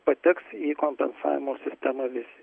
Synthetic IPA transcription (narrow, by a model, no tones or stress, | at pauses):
pɐt̪ʲɪksiːkomʲpʲɛ̰nsɑ̰ːʋʲɪmoːsʲɪsʲt̪ʲɛmɐʋʲɪsʲɪ̥